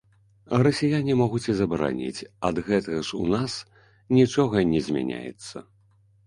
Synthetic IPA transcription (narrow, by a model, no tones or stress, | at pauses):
rɐsʲajanʲimɔɣut͡sʲizɐbɐɾa̰nʲḭt͡sʲɐd̪ɣɛt̪ɐɣɐʂunas | nʲit͡ʂɔɣɐnʲɛzʲmʲa̰nʲa̰jɛ̰t̪sːɐ